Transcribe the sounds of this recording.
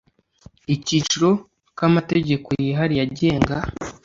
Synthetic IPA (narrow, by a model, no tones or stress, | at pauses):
iciːt͡ʃuɾo̞ | kamate̞ɟe̞kojiɦaɾijaɟe̞ːŋɡa